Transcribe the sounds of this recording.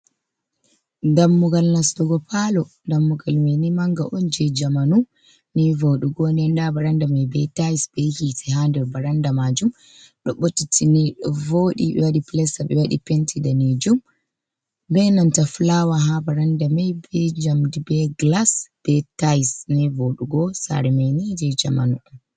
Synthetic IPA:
ndamːuɡalnastɔɡɔpʰalɔndamːuɡalmɛnimaŋɡa̰ʔɔnd͡ʒɛd͡ʒamanu | nivoɗiɡɔnɛndabaɾandamɛjbɛtajisbɛhitɛɦandɛbaɾandamad͡ʒum | ɗɔɓotːitʰiniɗɔvoɗibɛwaɗiplɛsabɛwaɗḭpentʰidanid͡ʒum | bɛnantaflawaɦabaɾandamajbɛd͡ʒamdibɛɡlasb̥ɛtajsnɛvoɗuɡɔsa̰ɾɛmɛjnid͡ʒɛd͡ʒa̰ma̰nun

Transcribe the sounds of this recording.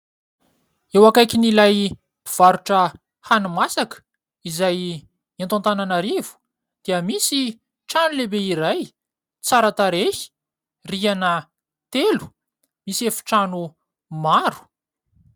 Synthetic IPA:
ewakajkʲinilaj | v̥aɾuʈ͡ʂə | hanumasakə̥ | izaj | ãnt̪ãnt̪ananaɾivu̥ | d̪̥iəmisi | ʈ͡ʂanulebeiɾaj | t͡saɾat̪aɾehi̥ | rianə | t̪elu̥ | misefu̥ʈ͡ʂanu | maɾu̥

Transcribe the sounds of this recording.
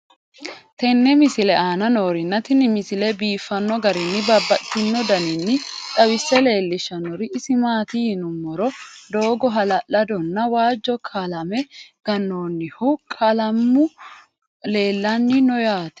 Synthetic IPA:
t̪ɛnːɛmɪsɪlɛaːnɐno̞ːɾɪnːɐt̪ɪnɪmɪsɪlɛbiːfːɐnːɔɡɐɾɪnːɪbɐbːɐʔt̪ːɪnːɔd̪ɐnɪnːɪᶑ̪ʼɐwɪsːɛle̞ːlːɪʃɐnɔɾɪʔːsɪmaːt̪ɪhɪnʊmːɔɾɔd̪o̞ːɡɔɦɐlɐlːɐd̪ɔnːɐwaːd͡ʒːɔkʰɐlɐmɛɡ̥ɐnːoːnːɪhʊkʰɐlɐmːʊ | le̞ːlːɐnːɪnɔjaːt̪ɛ̥

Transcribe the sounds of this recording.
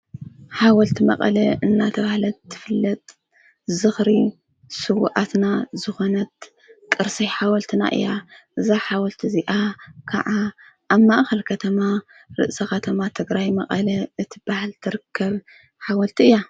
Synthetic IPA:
ħawɐlt̪ʰimɐ̰qʼɐ̰lɐɨnːat̪ʰɐβahlɐt̪ːɨfɨlːɐt̪ʼ | zɨxɾi | sɨw̰ʔat̪nazɨxo̞nɐt̪̚ | kʼɨɾsijħawɐlt̪ʰina̰ʔɨ̰jaʔɨzaħawɔlt̪ʰiziʔakʰa̰ʕa | ʔːβmaʔxɐlkʰɐt̪ʰɐma | ɾɨʔsɐkɐt̪ʰɐmat̪ʰɨɡɾajmɐʔʼɐlɐɨt̪ʰib̥ahlt̪ʰɨɾɨkʰːɐβ | ħawɐlt̪ʰiɨjːa

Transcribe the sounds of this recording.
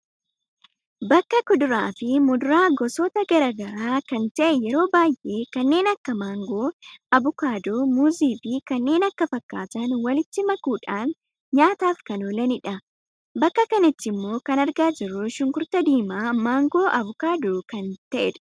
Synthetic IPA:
bɐkːɐkʊd̪ʊɾaːfɪmʊd̪ʊɾaːɡɔsoːt̪ɐɡɐɾaːɡɐɾaːkɐnt̪ɐʔɛjɛɾo̞ːbaːjʔe̞ːkɐnːe̞ːnɐkːɐmaːŋɡo̞ːɐbʊkaːd̪omuːziːfɪkɐnːe̞ːnɐkːɐfɐkːaːt̪ɐnwɐlɪt̪ːɪmɐkuːᶑaːn | ɲaːt̪aːfkɐnoːlɐnɪᶑɐ | bɐkːɐkɐnɐt̪ːɪmːo̞ːkɐnɐɾɡaːd͡ʒɪɾːʊʃʊŋkʊɾt̪ɐd̪iːmaːmaːŋɡo̞ːʔɐbʊkaːd̪oːkɐnt̪ɐʔɛᶑʊ̥

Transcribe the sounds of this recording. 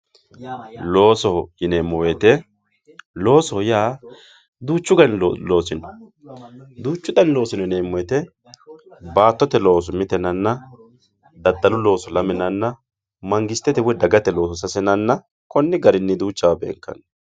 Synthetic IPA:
lo̞ːsɔjɪneːmːɔwet̪ɛ | lo̞ːsɔjaː | d̪uːt͡ʃːʊɡɐnloːsɪnɔ | d̪uːt͡ʃːʊd̪ɐnlo̞ːsɪnɔneːmːɔwɛt̪ɛ | baːt̪ːɔt̪ɛlo̞ːs̬ʊmɪt̪ɛnɐnːɐ | d̪ɐd̪ːɐlʊlo̞ːsɔlɐmɛnɐnːɐ | mɐŋɡɪst̪ːɛt̪ɛwɛd̪ɐɡɐt̪ɛlo̞ːsɔsɐsɛnɐnːɐ | kɔnːɪɡɐɾɪnːɪd̪uːt͡ʃːɐwɐbḛːŋkːɐ̰n

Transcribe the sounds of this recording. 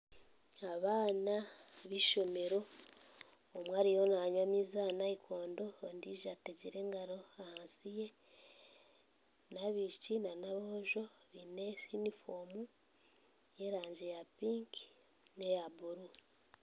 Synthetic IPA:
aβaːnaβiʃo̞me̞ɾo̞ | mwaːɾijonaɲwamizanaikʰo̞ːndo̞ːndiːʒateɟiɾe̞ːŋɡaɾo̞ahaːnsije̞ | naβiʃcinanaβooʒo̞βineinifoːmu | je̞ɾaːɲɟe̞japiːŋk | ne̞jabuɾu

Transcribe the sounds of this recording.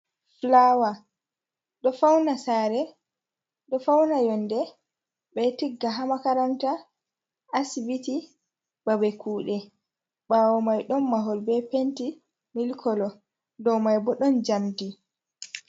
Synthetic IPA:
flawa | ɗɔfawnasaːɾɛ | ɗɔfawnajɔndɛ | ɓɛtiɡːaɦamakaɾamta | ʔːsbiti | b̥abɛkuːɗɛ | ɓawɔmajɗɔnːaɦɔlbɛpenti | milkʰɔlɔ | dɔwmajbɔɗɔnd͡ʒamdi

